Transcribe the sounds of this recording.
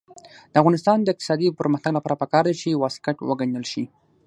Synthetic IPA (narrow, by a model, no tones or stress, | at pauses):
d̪̥əavɣɑnɪst̪ɑnd̪əɪq̚t̪ɪ̥sɑd̪ipəɾməxt̪aɡlapɑɾapəkɑɾd̪et͡ʃewɑskaʈwəɡaɲəlʃi